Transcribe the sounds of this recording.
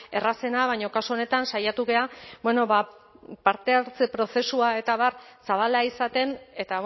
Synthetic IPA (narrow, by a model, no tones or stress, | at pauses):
e̞rase̞naβ̞ajɲo̞kasuo̞ne̞t̪ansajat̪uɣe̞abweno̞βa | paɾt̪e̞aɾt͡se̞pɾo̞se̞suae̞t̪aβaɾsaβ̞alaisat̪e̞ne̞t̪a